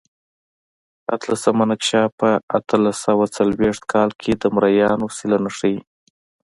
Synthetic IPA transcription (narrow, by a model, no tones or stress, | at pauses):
a̰t̪lasəmanakʃɑpəa̰t̪ʰəlasawat͡salweʂt̪̚kʰɑlkʰed̪əmɾajɑnosilanaʂəj